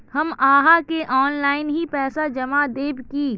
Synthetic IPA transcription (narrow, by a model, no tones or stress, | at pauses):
hɐmaːɦakeʔɔːnlaːɪnɦipɛːsad͡ʒɐmad̪eːbkiː